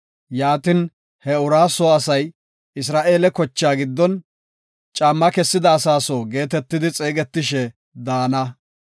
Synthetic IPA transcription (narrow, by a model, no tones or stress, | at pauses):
jaːt̪ɪn | hɛʊɾaːsɔɐsɐj | ɪs̬ɾaːʔe̞ːlɛkɔt͡ʃːaːɡɪd̪ːɔn | t͡ʃʼamːɐkɛsːɪd̪ɐːsaːsɔːɡe̞ːt̪ɛt̪ːɪd̪ɪt͡sʼeːɡɛt̪ːɪʃɛ | d̪aːnɐ